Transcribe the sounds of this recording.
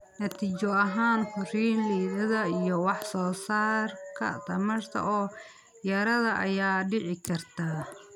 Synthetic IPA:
nɐt̪ʰiːt͡ʃɔɐɦaːnħʊriːnliːðɐðɐijɔwɑħsɔːsaːrkʰɐ̰t̪ʰɐmɐrt̪ʰɐ̰ʔɔː | jɐɾɐðɐʔɐ̰jaːɖɪʕɪkʰɐrt̪ʰaː

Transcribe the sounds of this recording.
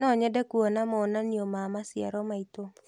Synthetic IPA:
nɔɲɛdɛkuonamɔonanjomamasɪa̰ɾɔmait̪o

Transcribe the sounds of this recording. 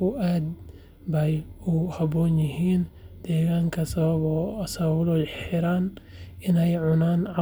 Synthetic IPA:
ʊʔaːd̪ | bɛjuhɐbɔːnjɪɦiːnd̪̥ɛːɣaːŋkʰɐs | sɐβɐblɔːħɪɾaːnɪnɛjʕʊnaːnʕɑ

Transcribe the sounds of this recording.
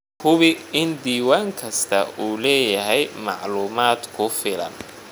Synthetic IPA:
hʊβɪɪnd̪iːwaːŋkʰɐst̪ʰɐ̰uːlɛːjɐɦɛjmɑ̰ʕluːmaːd̪kʰʊfɪlɐ̰n

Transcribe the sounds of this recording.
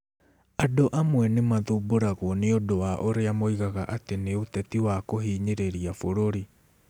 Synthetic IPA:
adoʔamwɛnemaðuboɾaɣɔneodowaʔoɾeamoiɣaɣaʔateneotɛtiwakoɦiːɲeɾeɾiafoɾoɾi

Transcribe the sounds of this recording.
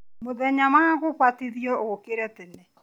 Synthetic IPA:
moðɛɲamaaɣoɣwateðiɔokeɾɛtenɛ

